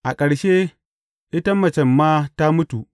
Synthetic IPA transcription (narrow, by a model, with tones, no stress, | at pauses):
ʔa˨kʼɐ˨ɽʃeː˦ | ʔɪ˦ta˦mɐ˨t͡ʃɛ˨mːaː˦ta˦mʊ˦tu˨